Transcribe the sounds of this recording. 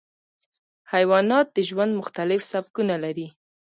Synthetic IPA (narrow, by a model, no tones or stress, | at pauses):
hajwɑnɑt̪̚d̪əʒwand̪mʊxt̪alɪfsabkunalaɾi